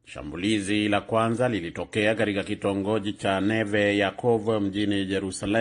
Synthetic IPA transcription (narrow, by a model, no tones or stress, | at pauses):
ʃa̰mbulizilakwanzalilitɔkɛakatikakitɔŋɡɔʄit͡ʃanɛvɛjakʰɔvam̩d͡ʒinijɛɾusalɛ